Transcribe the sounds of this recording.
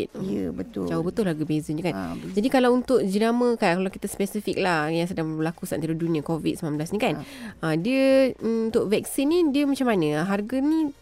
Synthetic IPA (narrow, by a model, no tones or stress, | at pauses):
t̪̚əbət̪ʊd͡ʒaʊbət̪ʊlːaɡubezənd͡ʒəkand͡ʒadikalawunt̪ʊk̚d͡ʒənamə̃kakalawkit̪əspɛsifik̚lahjaŋsədaŋbbəlakusa̰ʔnt̪aɾodunĩakovḭt̪̚səmamblasnĩkanədiəuunt̪ʊʔvɛk̚sinːidiəmat͡ʃamːanə̃ɦarɡənĩ